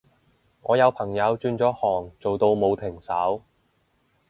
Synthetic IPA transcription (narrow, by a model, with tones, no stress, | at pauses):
ŋɔː˨˧jɐ˨˧wpʰɐ˨˩ŋjɐ˨˧wt͡ʃyː˧nt͡sɔː˨˥hɔː˨˩ŋt͡so˨wt̪o˧wmo˨˧wt̪ʰɪ˨˩ŋsɐ˨˥w